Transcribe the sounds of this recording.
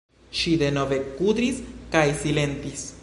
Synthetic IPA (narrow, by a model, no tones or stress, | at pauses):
ʃid̪e̞no̞ve̞kud̪ɾiskajsile̞nt̪is